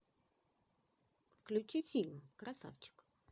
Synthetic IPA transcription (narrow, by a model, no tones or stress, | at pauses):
fklʲʉt͡ɕifʲilʲmkɾasa̰ft͡ɕɪ̥k